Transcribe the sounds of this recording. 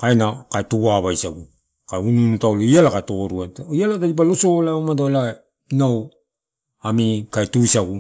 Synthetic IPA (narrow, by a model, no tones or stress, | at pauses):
kaenakaetuɡaβajsaɡu | kaununutawlaialakatoɾuatialatadip̬alosolaomataela | naw | amikaetuisaɡu